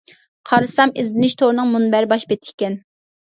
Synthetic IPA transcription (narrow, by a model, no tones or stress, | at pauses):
qʰɑɾɨsɑmɪzlɪnɪʃt̪ʰoɾnɨŋmunbæɾɪbɑʃbet̪ʰɪ̥kʲɛn